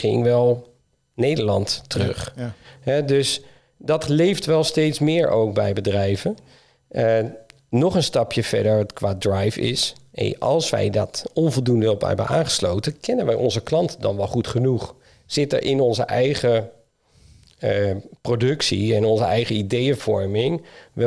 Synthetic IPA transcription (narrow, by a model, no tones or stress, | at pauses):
χɪŋʋɛlˠ | nejdəɹlɑntːərɵχɦɛdøs | dɑtlejftʋɛlˠsteːtsmɪːɹowk̚bɛ̰jbədrɛjvən | nɔχənstɑpjəfɛ̰ɹdəɹkʋaːdrajfɪ̰sɛ̰nɑ̰lˠsʋɛ̰jdɔtɔnvɔlˠdundəɔpɛ̰bə̰nʔa̰ːnχə̥slowtəkʰɛnənʋəjʔɔnzəklɑntədɑ̰nʋɔlˠχutχənuχ | z̥ɪtə̰ɹʔɪnɔnzə̰ʔɛjχə | prodɵksiɛnɔnzəɛjχəidejəvɔɹmɪŋʋɛ